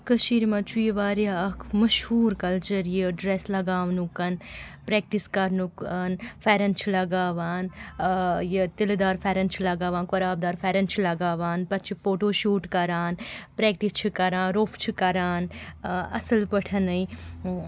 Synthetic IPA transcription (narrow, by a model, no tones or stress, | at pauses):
kɐʃiːɾmɐt͡ʃʰuiʋaːɾaɐkʰmɐʃhuːɾkɐlt͡ʃəɾjeɖɾeːslɐɡaːʋnukɐnpɾeːk̚ʈiskɐɾnukɐnfʰeːɾɐnt͡ʃʰilɐɡaːʋaːn | jet̪ild̪aːɾfʰeːɾɐnt͡ʃʰilɐɡaːʋaːnkoɾaːb̚d̪aːɾfʰeːɾɐnt͡ʃʰilɐɡaːʋaːnpɐt͡ʃʰifoːʈoːʃuːʈkɐɾaːnpɾeːk̚ʈist͡ʃʰikɐɾãːnɾoːfʰt͡ʃʰikɐɾaːnɐ̰səlpɐʈʰɐnɐi